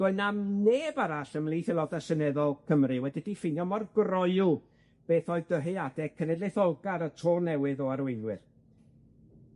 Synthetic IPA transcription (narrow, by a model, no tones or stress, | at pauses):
ɡ̥ɔɨnamneːbaɾaɬəmlˠiːθɛlˠɔdasənɛðɔlˠkʰəmrɨwɛdidifɪnjɔmɔrɡrɔɨu | b̥eːθɔːɨðdəɦɨadɛkʰənɛdleθɔlˠɡaɾətʰoːnɛwɨðɔaɾwejðwɪr